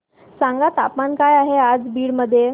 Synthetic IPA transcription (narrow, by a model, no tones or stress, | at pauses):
saŋɡat̪apmankajaɦead͡zbiːɽməd̪ʱːje